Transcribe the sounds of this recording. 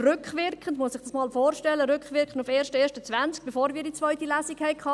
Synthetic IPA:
rʏkχʋɪɾkχəndmuəsɪχd̥ɑsmɑːlfoːɾʃtɛlːəɾʏkχʋɪɾkχən̩dufeːɾʃtəeːʃtət͡sʋænt͡sk̚b̥efoːɾmʋiːdit͡sʋœʏtilæːsikhɛɪkʰɑː

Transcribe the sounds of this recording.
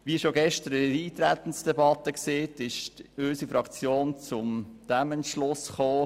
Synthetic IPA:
ʋiəʃoɡɛʃt̪əɾɾiːt̪ɾæt̪ən̩sd̥ɛbɑt̪əkseːtɪʃtøsifɾɑkt͡sjoːnt͡sʊmd̪̥æməntʃlʊsχoː

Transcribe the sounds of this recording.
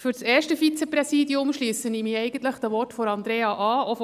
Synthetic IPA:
fyɾseːɾʃtəfit͡sɛprɛsiːdiʊmʃliːsənimiːɛɪɡən̩t̪ləχd̥̪əʋɔɾtfɔɾɑnd̪ɾeːɑʔɑːof

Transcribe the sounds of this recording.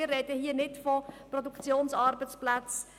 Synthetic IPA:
ərːɛd̥əhiːənɪtfɔprɔdukt͡sjoːnsɑɾbət͡splæt͡s

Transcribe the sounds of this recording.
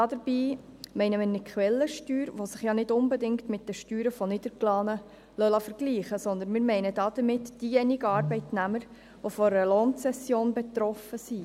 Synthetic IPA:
dɑdəɾb̥iːmɛɪnəmɪɾnɪkʰχʋɛlːəʃtyːɾʋosɪχjɑnɪdʊnbɛdɪŋktmɪt̚d̥əʃtyːɾəfɔnɪd̥̪əɾklɑːnə | lœlɑfəɾɡ̥liːχəsɔnd̪ənmɪːɾmɛɪnədɑːd̥̪əɾmɪtd̥ijɛnɪɡəɑːɾbɛɪtnæməɾ | ʋofɔəloːnt͡sɛsjoːnbɛt̪ɾɔfəsi

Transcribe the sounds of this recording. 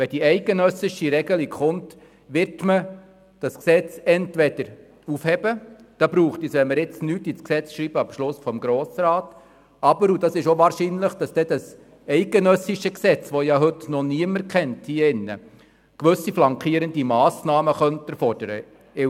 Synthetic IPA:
ʋɛd̥iɛɪɡənœsɪʃiɾɛɡəlikχʊnt | ʋɪɾtmə | d̥ɑsksɛt͡sɛntʋɛd̥əɾ | ufhɛbəd̥ɑbɾuːχtisʋɛnməɾɪt͡snyːtɪt͡sksɛt͡sʃɾiːb̥əɑpʃlʊsfɔmɡɾoːsɾɑːt | ɑbəɾud̥ɑsɪʃoʋɑːɾʃinləχd̥ɑsd̥ɛd̥ɑs | ɛɪɡənœsɪʃəksɛt͡sʋɔjɑɦɵtnɔniəməɾkχɛnthiːəɪnːə̰ | kʋɵsːiflɑŋkχiəɾəndimɑːsnɑːməχœntɛɾfɔrd̥əɾə̰

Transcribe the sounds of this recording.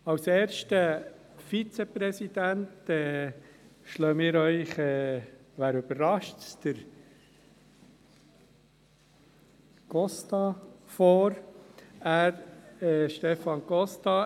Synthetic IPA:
ɑwseːɾʃtə | fit͡sepɾɛsid̪æntɛː | ʃløːmɪːɾœʏχɛːʋæːɾʉbəɾɾɑʃtsd̥əɾ | ɡ̥ɔstɑfɔːɾ | æːɾɛʃtɛfɑnɡɔstɑ

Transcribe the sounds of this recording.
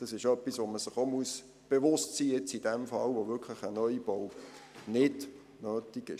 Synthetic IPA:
d̥ɑsɪʃœpːisʋoməsɪχomuəs | b̥evʊstsiːjɛt͡sid̥ɛmfɑlvoʋʏkʰlɪχənœjib̥ownɪd | nøːtiɡɪ̰ʃ

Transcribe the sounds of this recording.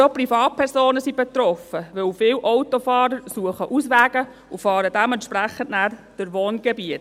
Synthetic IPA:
soprifɑːt̚pʰɛɾsoːnəsib̥et̪rɔfəʋɵwfɪwʔɔwtɔfɑːɾəɾsuəχəʔusʋæːɡ̥ə | ufɑːɾədɛmɛnt̪ʃpɾæχən̩tnæːrd̥əɾʋoːnɡ̥ɛbiət

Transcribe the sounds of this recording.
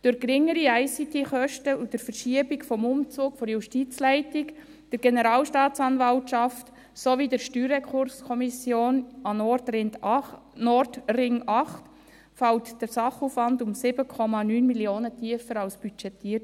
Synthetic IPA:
d̥ʊɾkɾɪŋːəɾiæɪsitiχœʃtəud̥əɾfəɾʃiəbikfɔmʊmt͡suːkfɔɾjuʃtit͡slæɪtɪk | d̥əɾɡ̥enəɾɑːlʃtɑːtt͡sɑnvɑltʃɑft | sovidəɾʃtyːɾɛkʰχʊɾskʰɔmisjoːnɑnɔɾtɾɪnt | nɔrtrɪŋɑχt | fɑwtd̥əsɑχuːfʋɑndʊmsɪbəkʰɔmɑnyːnmiljoːnətʰiəfəɾɑwsb̥yt͡ʃɛtiːəɾ

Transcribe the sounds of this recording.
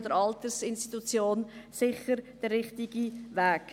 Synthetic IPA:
d̪əɾɑlt̪əsɪnstitut͡sjoːnsɪχəɾd̥ərːɪχtiɡiʋæːk

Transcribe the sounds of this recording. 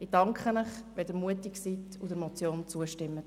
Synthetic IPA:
id̥ɑŋkχənəχʋɛldəɾmuətiksitʰ | udəɾmɔt͡sjoːnt͡suəʃtɪmːə

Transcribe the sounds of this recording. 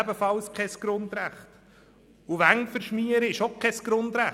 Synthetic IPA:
bəfɑlskʰɛsɡ̥ɾʊnd̪ɾæχt | uʋæŋfəɾʃmiəɾəɪʃokʰɛsɡ̥ɾʊndɾæ

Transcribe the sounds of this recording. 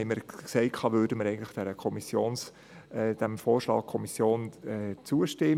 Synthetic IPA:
ɪməɾksɛɪkʰɑːʋøːɾdəməɾɛɪɡəntlɪ̥χd̥ɛɾəkʰɔmisjoːns | d̪̥æmfoːɾʃlɑ̰ːk̚kʰːɔmisjoːnɛt͡suəʃtɪ

